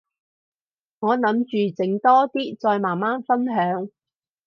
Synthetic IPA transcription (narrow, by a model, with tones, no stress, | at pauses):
ŋɔː˨˧nɐ˨˥mt͡ʃyː˨t͡sɪ˨˥ŋt̪ɔː˥t̪iː˥t͡sɔː˧jmaː˨˩nmaː˥nfɐ˥nɦœː˨˧˥ŋ